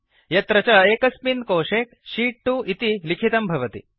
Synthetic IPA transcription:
jɐt̪ɾɐt͡ʃɐeːkɐspinkoːʂeːk̚ʃiːʈːuʔit̪ilikʰit̪ɐmbʱɐʋɐt̪ḭ

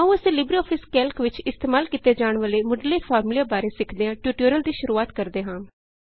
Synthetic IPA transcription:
aũəsẽːlɪbɾiːɔːpʰɪskɛːlkʋɪt͡ʃɪst̪eːmaːlkɪt̪eːd͡ʒaːɳʋəleːmʊɖleːpʰaːɾmlijaːbaːɾeːsɪkʰd̪eːãːʈjuːʈəːɾəld̪iːʃʊɾuːaːt̪kəɾd̪eːɦãː

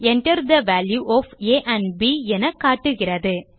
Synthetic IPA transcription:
ɛɳʈɐɾd̪ɐʋæːljuʔɔːfeːʔɐ̃ɳbiɛnɐkːaːʈːɯɣɪrɐðɯ

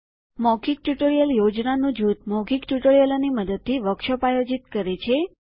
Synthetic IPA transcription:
mɔkik̚ʈjuʈoɾijəljod͡ʒnanũd͡ʒut̪̚mɔkʰikʈuʈoɾijəloniməd̪əd̪̚t̪ʰːiʋəkʃɔpajod͡ʒit̪kəɾet͡ʃʰe

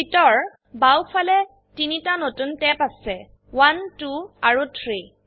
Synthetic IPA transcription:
bitɔɹ | bawfʰalɛ | tinitanotuntɛpasɛ | wantuaɹut̪ʰɹi

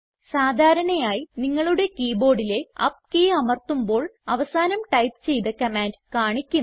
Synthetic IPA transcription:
saːd̪ʱaːɾɐɳɐjaːjiniŋːɐɭuɽe̞kiːbo̞ːɽile̞ɐ̰p̚keːɐmɐrt̪umbo̞ːɭɐʋɐsaːnɐmʈɐjpt͡ɕe̞jt̪ɐkɐmaːndkaːɳikʲːu

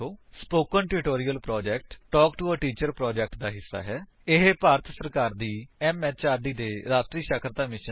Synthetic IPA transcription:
oːspoːkənʈɪʈoːɾiːjəlpɾɔːd͡ʒɛːk̚ʈʈɔːkʈuəʈiːt͡ʃəɾpɾɔːd͡ʒɛk̚ʈd̪aːɦɪsːa̰ːɦɛː | ɪɦepaːɾət̪ʰsəɾkaːɾd̪iːɛːmɛːt͡ʃaːɾɖiːd̪eːɾaːsʈɾiːʃəkʰɾət̪aːmɪʃə

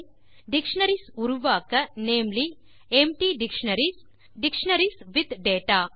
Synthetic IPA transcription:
ɖikʂnɐɾisuɾuʋaːkɐneːmli | emʈiɖikʂɳɐɾis | ɖikʂɳɐɾisʋid̪ɖeːʈaː

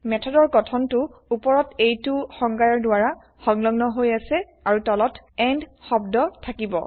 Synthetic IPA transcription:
mɛtʰɔdɔɹkɔtʰɔntʊupɔɹɔtejtʊxɔŋɡaɹɔɹdʊaɹa | xɔŋlɔɡnɔɦojasɛ | aɹutɔlɔtɛndxɔbdɔtʰakibɔ̰

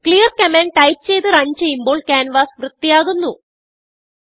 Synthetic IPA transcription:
kɭijɐrkɐmeːnʈɐjt͡ɕe̞jt̪ɨrɐɲd͡ʑejumboːɭkʲaːnʋaːsʋrɨt̪ːijaːɣunːu

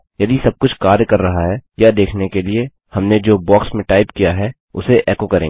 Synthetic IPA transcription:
jɐd̪isɐb̚kʊt͡ʃʰkaːɾjkɐɾːɐɦaɦɛjad̪eːkʰnekelie | hɐmned͡ʒoːbɔːksmẽʈaːɪpkijaɦɛ | ʊseʔɛːkokɐɾḛ̃ː

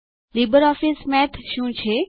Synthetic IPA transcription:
libəɾɔfismɛ̃t̪ʰʃũt͡ʃʰe

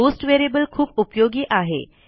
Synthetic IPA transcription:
osʈʋeɾebəlkʰuːpupjoɡiːʔaɦḛ

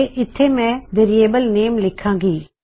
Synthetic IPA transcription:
ʔɪt̪ʰːemɛ̃ːʋeːɾieːbəlneːmlɪkʰãːɡiː

